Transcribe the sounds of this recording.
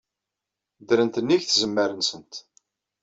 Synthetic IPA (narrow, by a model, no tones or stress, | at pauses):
d̪ɾənt̪ənːiʝθzəmːəɾənsənt̪